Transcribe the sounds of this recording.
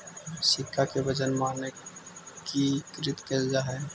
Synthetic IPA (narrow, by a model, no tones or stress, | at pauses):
sɪkʰːakebəd͡ʒənmaːnekikɾɪt̪keld͡ʒaɦɛ